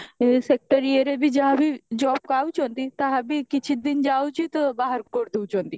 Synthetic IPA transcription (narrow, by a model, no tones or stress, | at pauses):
esek̚ʈəɾieɾebʱid͡ʒaɦãbid͡ʒɔːb̚kaːut͡ʃõːnd̪it̪aɦabikɪt͡ʃʰid̪ɪnd͡ʒaːut͡ʃit̪ɐbaːɦəɾkoɾd̪eut͡ʃõːnd̪iː